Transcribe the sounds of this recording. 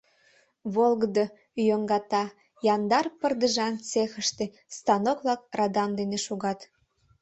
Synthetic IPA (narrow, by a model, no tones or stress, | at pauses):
βolɣəd̪o | yjøŋɡɑt̪ɑ | jɑnd̪ɑrpərd̪əʒɑnt͡sexə̆ʃt̪e | st̪ɑnokβlɑk̚rɑd̪ɑmd̪eneʃuɣɑt̪